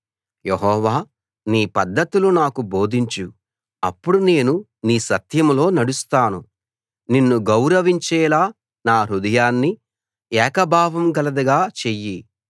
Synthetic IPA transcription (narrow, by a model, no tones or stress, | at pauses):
jeɦɔːʋaː | niːpɐd̪ːɐt̪ulunaːkubo̞ːd̪ʱiɲt͡ʃu | ɐ̰pːuɽune̞ːnu | niːsɐt̪jɐmlo̞ːnɐɽust̪aːnu | ninːuɡɐwɾɐʋiɲt͡ʃɛːlaː | naːɾud̪ɐjaːnːi | ɛːkɐbʱaːʋɐmɡɐlɐd̪ɐɡaːt͡ʃeji